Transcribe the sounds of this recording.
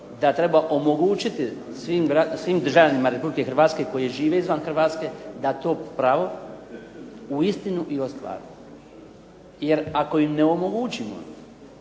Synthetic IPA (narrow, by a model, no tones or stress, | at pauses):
d̪at̪ɾe̞baʔo̞moɡuːt͡ʃit̪i | sʋiːmbɾasʋiːmd̪ɾr̩ʒalʎanimaɾe̞publike̞xr̩ɾʋaːt̪ske̞ko̞jeʒiːʋe̞izʋanxrʋaːt̪ske̞d̪at̪o̞ːpɾaʋo̞ | uist̪inuʔiost̪ʋa̰ːɾi | je̞ɾako̞jimne̞o̞mo̞ɡuːt͡ʃimo̰